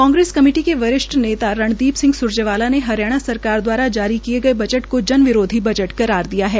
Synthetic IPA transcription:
kɔ̃ːŋɡɾeːskɐmiɪːʈikeʋɐɾɪʃʈneːt̪aɾɐɳ̃d̪iːpsɪ̃ŋɡsʊɾd͡ʒəʋaːlaneɦɐɾjaːɽ̃asɐɾkaːɾd̪waːɾad͡ʒaːɾikieɡɐebɐd͡ʒəʈkod͡ʒɐnʋɪɾoːd̪ʱibɐd͡ʒəʈkɐɾaːɾd̪ijaɦɛː

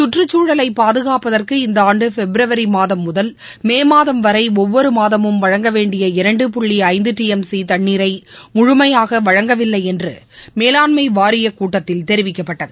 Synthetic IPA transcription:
sʊʈrɯt͡ʃːuːɽɐlɐɪpːaːðɯɣaːpɐðɐrkɯɪnd̪ɐaːɳɖɯfɛbɪɾɐʋɐɾimaːðɐmːʊðɐl | meːmaːðɐmʋɐɾɐɪɔʋːɔɾɯmaːðɐmɯmʋɐɻɐŋɡɐʋeːɳɖɪjɐɪɾɐɳɖɯpʊɭːiɐɪnd̪ɯʈːiːɛmsit̪ɐɳːiːɾɐɪmʊɻʊmɐjaːɣɐʋɐɻɐŋɡɐʋɪlːɐɪɛndrɯ̰ | meːlaːɳmɐɪʋaːɾɪjɐkuːʈːɐt̪ːɪlt̪ɛɾɪʋɪkːɐpːɐʈːɐðɯ

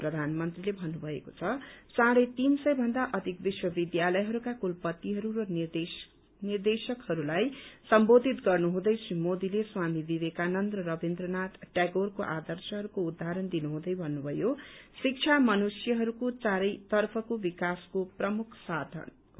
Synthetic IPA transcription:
prʌd̪ʱanmʌnt̪rilebʱʌnːubʱʌḛko̥t͡sʰʌsãɾʌt̪insʌjbʱʌnd̪aʔʌd̪ʱikbiswʌbid̪jalʌjɦʌɾukakulpʌt̪ːiɦʌɾuɾʌni | nird̪esʌkhʌɾulajsʌmbod̪ʱit̪ɡʌrnuɦũd̪ʌjsimod̪ileswamibibekanʌnd̪rʌɾʌbind̪rʌnat̪ʈaɡorkoʔad̪ʌrsʌɦʌɾukoud̪ʱːaɾʌnd̪inuɦũd̪ʌjbʱʌnːubʱʌjosik̚t͡sʰamʌnusjʌɦʌɾukot͡saɾʌjt̪ʌrpʰʌkobikaskoprʌmukʰsad̪ʱʌ̰n

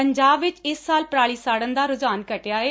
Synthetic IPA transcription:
əɲd͡ʒaːbʋɪt͡ʃɪsːaːlpɾaːɭisaːɽə̃nd̪aːɾʊd͡ʒaːnkəʈjaːɦeː

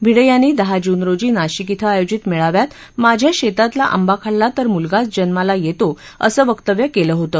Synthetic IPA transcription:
bʱiɽəjanːiːd̪əɦad͡ʑunɾod͡ʑiːnaɕikit̪ʰəajod͡ʑit̪mɛɭaʋjat̪ | mad͡ʑʱjaɕet̪at̪laʔa̰mbakʰaɽlat̪əɾmulɡat͡sd͡ʑənmalajet̪oə̰səːʋəkt̪əʋjəkeləɦot̪ə

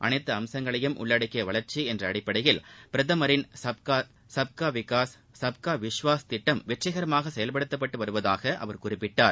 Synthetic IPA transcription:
ʔɐnɐɪt̪ːɐɐmsɐŋɡɐɭɐjɯmʔʊ̰ɭːɐɽɐkːɪjɐʋɐɭɐɾt͡ʃiɛndrɐːɽɪpːɐɽɐjɪlpɪɾɐðɐmɐɾɪnsɐb̚ka | sɐb̚kaːʋɪkaːs | sɐb̚kaːʋɪʂʋaːst̪ɪʈːɐmʋɛʈrɐɣɐɾɐmaːɣɐsɛjɐlpɐɽɯt̪ːɐpːɐʈːɯʋɐɾɯʋɐðaːɣɐʔɐ̰ʋɐɾkʊrɪpːɪʈːaːɾ

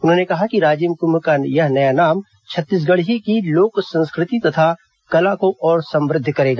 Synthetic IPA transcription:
ʊnɦõːnekɐɦakiɾaːd͡ʒimkʊmkajɐɦnɐjanaːm | t͡ʃʰɐt̪ːiːs̬ɡɐɽɦikiloːksɐ̃nskɾɪt̪it̪ɐt̪ʰa | kɐlakoʔɔːɾsɐ̃mɾɪd̪ʱːkɐɾeːɡaː

